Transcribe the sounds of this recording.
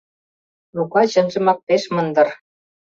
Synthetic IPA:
lukɑt͡ɕə̆nʒə̆mɑk̚peʃmə̆nd̪ɤ̆r

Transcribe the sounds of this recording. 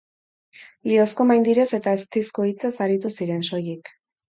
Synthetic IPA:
lio̞sko̞majnd̪iɾese̞t̪aest̪iskoit͡sesaɾit̪usiɾe̞nso̞jik

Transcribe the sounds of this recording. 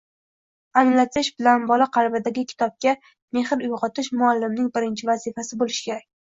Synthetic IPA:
anɪlat̪ɪʃbɪlanbɒlaqʰɑɾbɪd̪aɡʲɪkʲʰɪ̥t̪ʰɒp̚kʲa | me̞hɪɾʊjʁɒt̪ʰɪʃmʊalːɪmnɪŋbɪɾɪnt͡ʃʰɪvazɪfasɪbolɪʃkʲʰe̞ɾakʲ

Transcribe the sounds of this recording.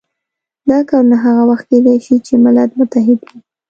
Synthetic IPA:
d̪ɑkɑɾunaɦaɣawaxt̪̚ked̪ajʃit͡ʃemɪlad̪mʊt̪aɦɪd̪wi

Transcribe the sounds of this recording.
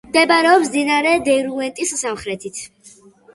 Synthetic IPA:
md̪ɛbaɾɛɔpszinaɾɛd̪ɛɾuɛnt̪ʼissamχɾɛt̪ʰit̪ʰ

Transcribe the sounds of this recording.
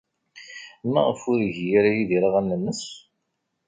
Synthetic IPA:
mæ̰ʁəfʊɾʝjaɾajiðiɾaʁænːənːəs

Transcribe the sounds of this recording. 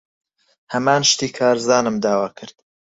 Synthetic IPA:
hɐmaːnʃt̪iːkʰaːɾzaːnɨmd̪aːwaːkʰɨɾd̪̥

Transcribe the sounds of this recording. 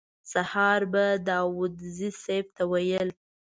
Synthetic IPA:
sahɑɾbad̪ɑwʊd̪ziseb̚t̪awajəl

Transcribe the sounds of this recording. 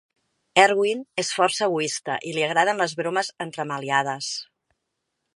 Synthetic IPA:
ɛɾɣwinesfɔrsəəːɣuist̪ə̰ʔiliəɣ̞ɾað̞ənləzβɾoməzənt̪ɾəməliað̞əs

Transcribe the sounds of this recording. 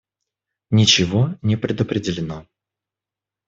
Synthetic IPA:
nʲɪt͡ɕɪvonʲɪpɾʲɪd̪əpɾʲɪdʲɪlʲɪno

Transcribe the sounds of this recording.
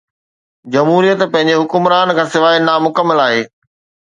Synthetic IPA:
d͡ʑɐmɦuːɾijət̪pɐ̃ɦɪ̃ɲd͡ʑeɦʊkʊmɾaːnkʰãːsɪʋaːinamʊkəmːəlaːɦeː

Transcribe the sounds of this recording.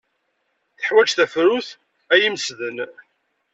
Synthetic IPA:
θə̥ħwæd͡ʒθæfɾʊθ | æjiməsðən

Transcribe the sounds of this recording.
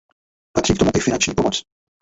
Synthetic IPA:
pat̪r̥iːkt̪omuʔɪfɪnant͡ʃɲiːpomɔt͡s

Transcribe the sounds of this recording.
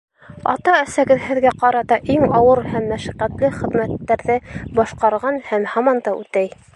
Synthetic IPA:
ɑ̰t̪ɑæsæɡɘðhɘ̆ðɡæqɑɾɑt̪ɑʔiŋɑwɤɾhæmːæʃæqæt̪lɘχɘ̆ðmæt̪ːæɾðɘbɑʃqɑɾʁɑnhæmhɑmɑnd̪ɑʉt̪æj

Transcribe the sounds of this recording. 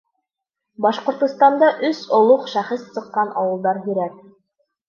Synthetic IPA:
bɑʃqŏɾt̪ŏst̪ɑnd̪ɑʔɵsŏlˠoqʃæχɘssɤ̆qːɑnʔɑ̰wɤ̆lˠd̪ɑɾɦɵ̆ɾæk̚

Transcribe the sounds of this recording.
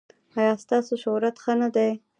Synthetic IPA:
ɑjɑst̪ɑsoʃoɾat̪xənad̪aj

